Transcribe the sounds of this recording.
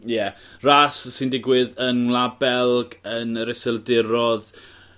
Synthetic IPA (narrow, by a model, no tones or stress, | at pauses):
jɛ | rassɪndɪɡwɪðənlˠabɛlˠɡənɾɛsɛlˠdɪɾɔð